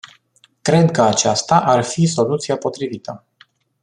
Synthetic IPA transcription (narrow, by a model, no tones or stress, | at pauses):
kɾe̞d̪kəat͡ʃast̪aʔarfiso̞lut̪siapo̞t̪ɾivit̪ə